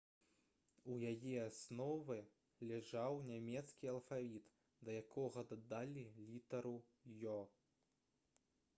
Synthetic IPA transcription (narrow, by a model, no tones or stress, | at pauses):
ujajɛasnɔvɨ | lʲɛʐawnʲamʲɛt̪skʲiɐlˠfavʲit̪ | d̪ɐjakʰɔɣɐd̪ɐd̪alʲilʲit̪ɐɾu | jɔ